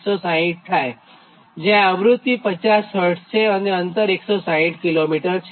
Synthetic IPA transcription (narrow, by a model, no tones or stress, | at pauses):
sɔsãĩʈ̚ʈʰaje | d͡ʑɛ̃əbɾut̪ːipət͡ɕasəʈt͡ɕʰeəneənt̪əɾeksɔsãĩʈkilomiʈəɾt͡ɕ